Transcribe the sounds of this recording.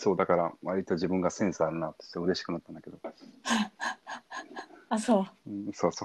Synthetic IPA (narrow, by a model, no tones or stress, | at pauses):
so̞ːd̪akaɾaβaɾʲit̪oʑibɯ̟̃ŋɡasẽ̞ɰ̃sɨaɾɯ̟nat̪o̥t̪ːɯ̟ɾe̞ɕi̥kɯ̟nat̪ːãnd̪ake̞d̪o̞ | asõːso̞ːso